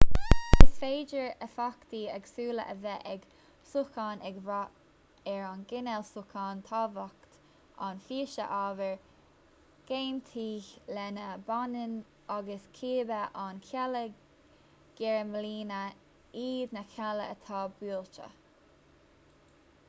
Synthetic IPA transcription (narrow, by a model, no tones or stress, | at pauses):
ɪsfeːd͡ʒəɹəfakt̪iɛɡsuːlə̰ʔəvɛʔɛɡ | sukaːnɛɡva | ɛɹanɡɪnɛlsʊkʰɑːnt̪ʰɑːvakt̪ | ʔa̰nfiːʃə̰ʔaːvəɹ | ɡ̥eːnt̪ʰiːçlɛnəbanən | aɡəskʰiːbəʔankʰɛlə | ɡ̥ɛɹəməliːnə | iːd̪nəkʰaləət̪ʰɑːbuːlt͡ʃə̰